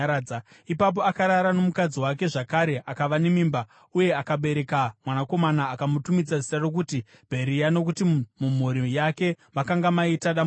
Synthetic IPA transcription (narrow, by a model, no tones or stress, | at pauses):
a | ipap̬o̞akaɾaɾano̞mukad͡ziwak̬e̞ʐakaɾe̞ʔakaʋanemiːmba | uje̞akaɓe̞ɾe̞kamwanako̞manaːkamutumid͡zazi̥tarok̬uti | bʱe̞ɾijano̞k̬utimum̤uɾijake̞ | makaŋɡamaitaɗa